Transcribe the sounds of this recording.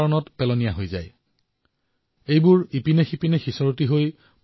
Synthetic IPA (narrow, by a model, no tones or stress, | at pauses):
ɔnɔtpɛlɔnijaɦojza̰j | ejbʊɹipinexipinɛxisɔɹotiɦoj